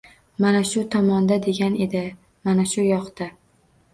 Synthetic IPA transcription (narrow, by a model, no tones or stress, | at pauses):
manaʃʊt̪ʰɒmɒnd̪ad̪e̞ɡʲane̞d̪ɪ | manaʃʊjɒqt̪a